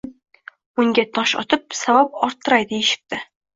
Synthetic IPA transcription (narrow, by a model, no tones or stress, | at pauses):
uŋɡʲæt̪ʰɒʃɒ̰t̪ɤp̚sawɑp̚ɒɾt̪ːɤ̆ɾɑjd̪ɘiʃɪ̥k̚t̪ɘ